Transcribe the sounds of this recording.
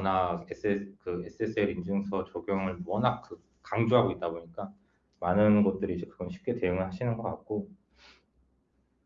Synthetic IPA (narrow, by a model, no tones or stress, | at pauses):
ʌnaɡesʰekɯes͈ʰɯes͈ʰɯeɾind͡ʑɯŋsʰʌt͡ɕʌɡjʌŋɯɭmʌnak̚kʰɯ | kaŋd͡ʑoɦaɡoit̚t͈aboɲik͈a | manɯnɡʌt̚t͈ɯɾid͡ʑe̞kɯɡʌnɕʰi̥p̚k͈e̞te̞juŋɯɭhaɕʰinɯnɡʌk͈a̰k̚k͈o